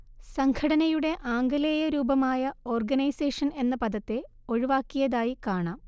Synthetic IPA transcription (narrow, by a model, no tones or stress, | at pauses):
sɐŋɡʰɐɽɐnɐjuɽe̞ʔaːŋɡɐleːjɐɾuːbɐmaːjɐo̞ːrɡɐnɐjseːʂɐne̞nːɐpɐd̪ɐt̪ːe̞ | o̞ɻiʋaːkːijɐðaːjikaːɳaːm